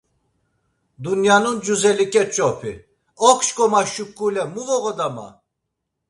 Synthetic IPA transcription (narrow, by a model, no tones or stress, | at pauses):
d̪unjanund͡ʒuzɛlikʼɛt͡ʃʼɔpʰḭ | ɔkʰʃkʼɔmaʃukʼːulɛmuvɔɣɔd̪ama̰